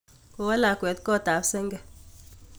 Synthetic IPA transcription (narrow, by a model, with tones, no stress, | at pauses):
ko˨wa˦la˨kwɛ˨˦t̪kɔ˦ta˨˦psɛ˦ŋɡɛ˦˨